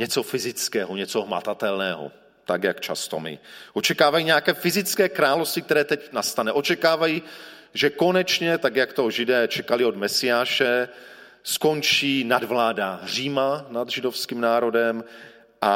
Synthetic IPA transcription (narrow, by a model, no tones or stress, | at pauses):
ɲɛt͡so̞fɪzɪt͡skɛːɦoɲɛt͡soɦma̰t̪at̪ɛlnɛːɦo̰ | t̪akjakt͡ʃa̰st̪o̞̰mɪ̰ʔot͡ʃɛkaːvajiɲɛjakɛːfɪzɪt͡skɛːkɾaːlofst̪vɪk̚t̪ɛɾɛːt̪ɛcnast̪anɛʔo̞t͡ʃɛkaːvajiʒɛko̞nɛt͡ʃɲɛt̪aɡjakt̪o̞ʒɪdɛːt͡ʃɛkalɪod̪mɛsɪjaːʃɛ | sko̞nt͡ʃiːnadvlaːdar̝iːmanad̪ʒɪdo̞fskiːmnaːɾo̞dɛm | ʔa